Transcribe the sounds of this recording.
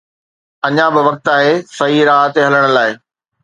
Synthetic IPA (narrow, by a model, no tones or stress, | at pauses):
ɐɲãbɪʋɐk̚t̪aːɦesɐɦiɾaːɦət̪eɦɐləɽ̃ə̆laːɪ